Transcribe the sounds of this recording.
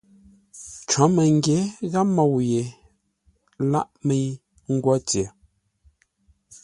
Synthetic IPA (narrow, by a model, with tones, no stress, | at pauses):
t͡ʃɔ˨˦mɛ˨ŋ˦ɡje˨˦ɣa˦mɔ˦˨wje˨ | la̰˦ʔme˦˨j | ŋ̩˦ɡwɔ˦t͡sje˨